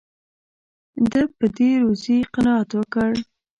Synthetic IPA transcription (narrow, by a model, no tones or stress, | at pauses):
d̪əpəd̪eɾoziqɪnɑat̪wəkəɽ